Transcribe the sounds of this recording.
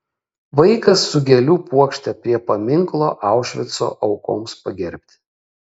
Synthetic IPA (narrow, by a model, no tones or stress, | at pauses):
ʋɐɪkɐsːʊɡʲɛlʲuːpuɔkʃʲt̪ʲɛpʲɾʲiɛpɐmʲɪŋklˠo̰ːʔɑˑʊʃʲʋʲɪt̪so̰ːʔɒʊko̰ːmspɐɡʲɛɾʲpʲt̪ʲɪ̥